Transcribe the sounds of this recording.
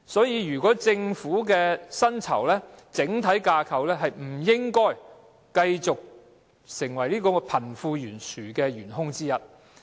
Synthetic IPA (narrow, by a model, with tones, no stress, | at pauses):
sɔː˨˥jiː˨˧jyː˨˩kɔː˨˥t͡sɪ˧ŋfuː˨˥kɛː˧sɐ˥nt͡sʰɐ̰˨˩wlɛː˥t͡sɪ˨˥ŋt̪ʰɐ˨˥jkaː˧kʰɐ˨wlɛː˥ɦɐ˨jm̩˨˩jɪ˥ŋkɔː˥j | kɐ˧jt͡sʊ˨k̚ | sɪ˨˩ŋwɐ˨˩jliː˥kɔː˧pʰɐ˨˩nfuː˧jyː˨˩nsyː˨˩kɛː˧jyː˨˩nɦʊ˥ŋt͡siː˥jɐ˨t̚